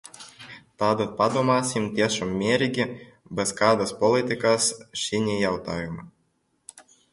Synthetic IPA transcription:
t̪ɑd̪ɨt̪̚pɑd̪umɑsʲimt̪ʲiɛʃumːʲeɾʲiɡʲi | bɛskɑd̪aspolʲˠit̪ʲikɑsʃinʲijawt̪ɑjumɑ

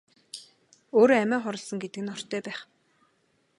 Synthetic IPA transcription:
oːɾoːæmæːχɔɾɞ̆ɮsə̆ŋɡet̪ɘ̆kɘ̆nɔr̥t̪ʰœːpæːχ

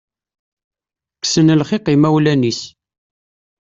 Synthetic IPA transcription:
ksənəlχɪqimæwlænis

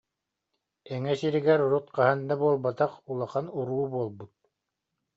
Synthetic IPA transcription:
ɛŋɛsiɾiɡɛɾuɾut̪qaɦand̪abuɔlˠbat̪aqulˠaχanuɾuːbuɔlˠbut̪̚

